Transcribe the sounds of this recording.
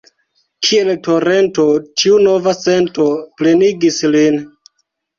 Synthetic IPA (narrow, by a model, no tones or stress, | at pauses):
kʰie̞lto̞ɾe̞nto̞tʰiuno̞vase̞nto̞pleniɡislin